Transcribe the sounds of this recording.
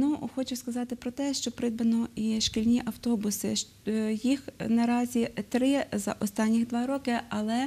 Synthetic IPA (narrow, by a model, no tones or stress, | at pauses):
nuxɔt͡ʃʊskɐzɑt̪ɪpɾɔt̪ɛʃt͡ʃɔpɾɪd̪̚bɐnɔiʃkʲilʲnʲiʔɐwt̪ɔbʊsɪʃ | jixnɐɾɑzʲit̪ɾɪzɐ̰ʔɔst̪ɑnʲːiɣd̪ʋɑɾɔkɪɐlˠɛ